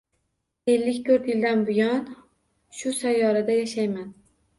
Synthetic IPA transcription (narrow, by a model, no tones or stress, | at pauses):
e̞lːɪkʲt̪ʰɵɾt̪jɪld̪anbʊjɒn | ʃʊsajːɒɾad̪ajaʃajman